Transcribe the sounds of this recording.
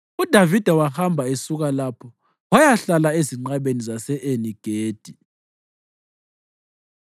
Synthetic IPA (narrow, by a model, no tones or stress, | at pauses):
ud̥ʱavid̥ʱawahambʱaesuk̬alapʰɔ | wajaɬalaeziŋ͡ǃaɓenizasɛʔeniɡ̥ʱeːd̥ʱi